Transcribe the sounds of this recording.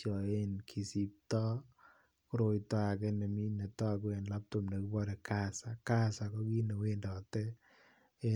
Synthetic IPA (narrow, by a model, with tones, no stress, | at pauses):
t͡ʃɔ˨e˦nkʰi˨si˦p̚tɔ˦ | kɾo˨jtwa˨kɛ˦ne˨mi˦ne˨twa˦˨k̬e˨nla˦p̚to˨mne˨ki˦bɔ˦de˨ka˦sa˨ka˦sa˨kɔ˦ki˦ne˨we˦ndɔ˨tɛ˦ | e˦